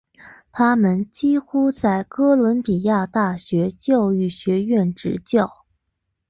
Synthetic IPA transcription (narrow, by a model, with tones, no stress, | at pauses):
t̪ʰa˥mə˨nt͡ɕi˥xu˥t͡sa˥˩ɪkɤ˥lwə˧˥npi˨˩ja˥˧t̪a˥˩ɕɥɛ˧˥t͡ɕjɑ˥˧ʊy˥˩ɕɥɛ˧˥ɥɛ˥˩nʈ͡ʂɻ̩˧˥t͡ɕjɑ˥˩ʊ